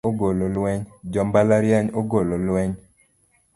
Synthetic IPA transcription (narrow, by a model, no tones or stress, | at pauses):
oɡololwɛɲd͡ʒɔmbalaɾjaɲoɡololwɛɲ